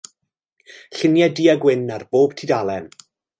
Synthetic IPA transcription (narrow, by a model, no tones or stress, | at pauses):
ɬɪnjadiːaɡwɪnarb̥oːb̥tʰidalˠɛn